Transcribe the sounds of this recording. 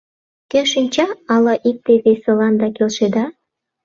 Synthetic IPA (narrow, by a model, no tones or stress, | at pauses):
køʃinʲt͡ɕɑɑlɑʔik̚t̪eβeselɑnd̪ɑkelʃed̪ɑ